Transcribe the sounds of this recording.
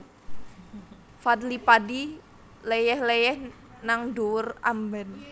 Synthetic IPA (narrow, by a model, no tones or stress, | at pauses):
fad̪lipadi | lejɛhlejɛh | naŋdura̰mbɛn